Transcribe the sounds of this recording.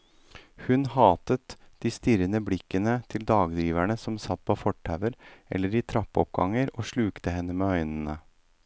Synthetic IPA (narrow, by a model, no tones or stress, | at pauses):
hʉnhɑːt̪ət̪ | d̪̥iːst̪ɪɾənəblɪkːənət̪ʰɪld̪ɑːɡd̪ɾiːʋæɳəsɔmsɑt̪̚ːpʰoːfɔʈʰːæʋəɾʔɛ̰lːəɾiːt̪ʰɾɑpːɔp̚ɡɑ̰ŋːəɾoːʂɭʉːkt̪əhɛnːəmeːœʏnn̩ə